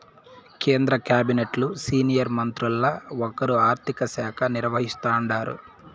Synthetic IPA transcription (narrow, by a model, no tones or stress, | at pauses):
keːnd̪ɾɐkjaːbineʈlusiːnijɐɾmɐnt̪ɾulːɐɔkɐɾuaːɾt̪ʰikɐsɛːkʰɐniɾʋɐɦist̪aːɳɖaːɾṵ